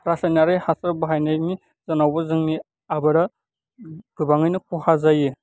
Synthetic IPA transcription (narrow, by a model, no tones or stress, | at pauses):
ɾasanaɾɯjhasɯɾbaɦajnajni | zanawbɯzɯŋni | abɯɾa | b̥ɯbaŋɯjnɯkʰuhazajɯ